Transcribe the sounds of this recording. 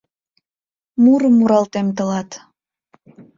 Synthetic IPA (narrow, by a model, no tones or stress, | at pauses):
muɾəmːuɾɑlt̪emt̪̬əlɑt̪